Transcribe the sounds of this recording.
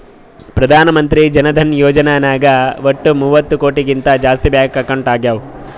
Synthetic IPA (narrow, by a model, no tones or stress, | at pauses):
pɾɐd̪ʱaːnɐmɐnt̪ɾid͡ʒɐnɐd̪ʱɐnjoːd͡ʒɐnaːnaːɡɐʋoʈːumuːʋɐt̪ːukoːʈiɡint̪ɐd͡ʒaːst̪ibjaːkkːɐkːɐɳʈaːɡjaːʋ